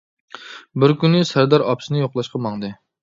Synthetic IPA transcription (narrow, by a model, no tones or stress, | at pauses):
bɪɾkʲynːɪsæɾd̪ɑɾɑpsɨnɨjoχlˠɑʃqʰɑmɑŋd̪ɨ